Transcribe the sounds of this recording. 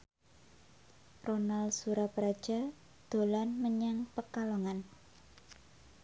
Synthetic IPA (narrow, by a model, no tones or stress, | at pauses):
ronalsuɾapəɾad̥ʒ̥a̤ | d̪̥o̤lanməɲaŋpəkaloŋan